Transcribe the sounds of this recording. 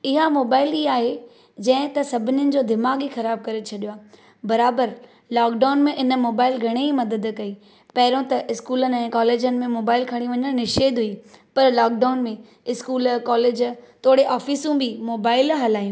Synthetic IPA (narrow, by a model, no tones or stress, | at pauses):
ɪɦamoːbaːɪliːaːɦe | d͡ʑɐ̃ɦɪ̃t̪ɐsɐbʱɪnɪjənɪ̆d͡ʑoːd̪ɪmaːɡixɐɾaːb̚kɐɾet͡ɕʰɐɗijowaː | bɐɾaːbəɾ | laːkɖaːnmẽʔɪnəmoːbaːɪlɡʱɐɽ̃eimɐd̪əd̪kɐi | pɐɦɪɾõt̪ɐʔɪskuːlənɪ̆ɛ̃ːkaːleːd͡ʑənɪ̆mẽmoːbaːɪlkʰɐɽ̃ĩʋɐɲəɽ̃nɪʃeːd̪ɦuipɐɾlaːk̚ɖaːʊnmẽ | ɪskuːlkaːleːd͡ʑt̪ʰoːɽeʔaːfiːsũbʱɪmoːbaːɪlɦɐlaːjũ